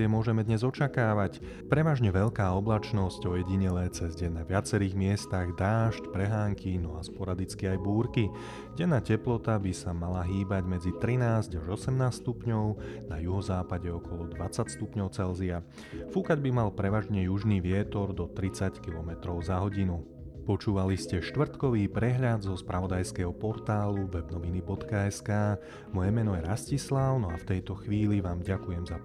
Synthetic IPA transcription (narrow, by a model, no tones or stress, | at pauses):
ɪɛmʊɔʒɛmɛd̪ɲɛzɔt͡ʃakaːʋac | pɾɛʋaːʒɲɛʋɛʎkaːɔblat͡ʃnɔscɔjɛɟiɲɛlɛːt͡sɛzɟɛnaʋɪat͡sɛɾiːɣmɪɛst̪aɣd̪aːʃcpɾɛɦaːŋkinɔaspɔɾad̪it͡skiajbuːɾki | ɟɛnːaːcɛplɔt̪abisamalaɦiːbaɟmɛd͡zit̪ɾinaːzɟaʒɔsɛmnaːsst̪upɲɔʊnajuɦɔzaːpaɟɛɔkɔlɔd̪ʋat͡sacst̪upɲɔʊt͡sɛlzia | fukaɟbimalpɾɛʋaːʒɲɛjuʒniːʋɪɛt̪ɔɾd̪ɔt̪ɾit͡sackilɔmɛt̪ɾɔʊzaɦɔɟinu | pɔt͡ʃuːʋaliscɛʃt̪ʋr̩t̪kɔʋiːpɾɛɦʎad̪zɔspɾʔaʋɔd̪ajskɛɦɔpɔɾt̪aːluʋɛbnɔʋinibɔt̪kaɛskaː | mɔjɛmɛnɔjɛɾascislaʊnɔaft̪ɛjt̪ɔxʋiːliʋaːmɟakujɛmza